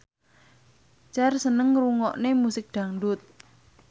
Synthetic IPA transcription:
t͡ʃarsənəŋruŋɔʔnemusɪk̚ɖ̪̥a̤ŋɖʊt̪̚

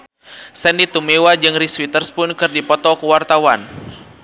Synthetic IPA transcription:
sɛndit̪umewad͡ʒɨŋriswit̪ərspʊnkɨrdipɔt̪ɔkuwart̪awan

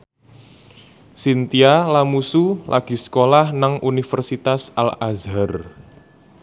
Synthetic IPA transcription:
sint̪ialamusulʔa̰ɡ̥i̤sə̥kolahnaŋʔunifərsit̪asalazar

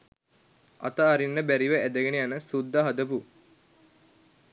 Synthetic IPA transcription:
ɐ̰t̪əːɾinːəbæɾiʋəʔæd̪əɡeniɐnəsud̪ːaɦɐd̪əpu

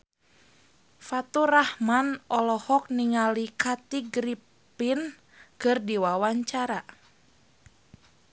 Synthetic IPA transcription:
fat̪urahmanɔlɔhɔk̚niŋalikat̪iɡɾi | pin | kɨrdiwawaɲt͡ʃaɾa

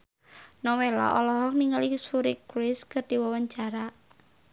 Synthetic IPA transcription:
nɔwela̰ʔɔlɔɦɔk̚niŋəlisuɾikɾɪskɨrd̥iwawaɲt͡ʃaɾa

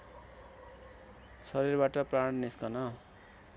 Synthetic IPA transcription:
sʌɾirbaʈʌpraɽniskʌnʌ

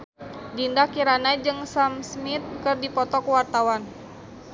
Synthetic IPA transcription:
dindakiɾanad͡ʒɨŋsamsmit̪̚kɨrdipɔt̪ɔkuwart̪awan

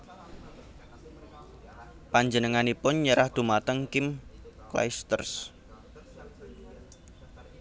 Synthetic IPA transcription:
paɲd͡ʒənəŋanipʊnɲəɾahd̪̥ṳmat̪əŋkɪmkla̰jst̪ə̰rs

